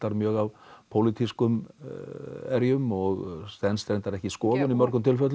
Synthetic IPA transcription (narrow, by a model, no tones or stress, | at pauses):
t̪aɾmjœːɣavpʰowlit̪ʰiskʏm | ɛɾjʏmɔɣst̪ɛnst̪ɾejnt̪aɾɛhcɪskɔːðʏnimœɾkʏmt̪ʰɪlfœt̪l